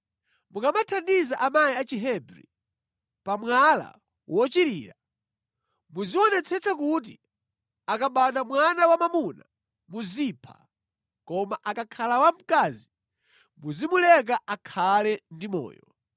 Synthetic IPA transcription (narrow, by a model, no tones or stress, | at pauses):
muŋɡamatʰandizaʔamajiat͡ʃiɦɛbɾḭ | pamwala̰ | wɔt͡ʃiɾiːɾa | muziɔnɛt͡sʰɛt͡sakut̬i | akaɓaɗamwanawamamuna | muzipʰḁ̰ | kɔmaʔakakʰalawam̩kaːzi | muzimulɛk̬aʔakʰalɛndimɔ̰ːjɔ